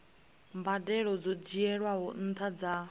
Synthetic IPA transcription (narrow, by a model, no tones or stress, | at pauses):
mbadɛɺɔd͡zɔd͡ʒiɛɺwaɦɔn̩t̪ʰad͡za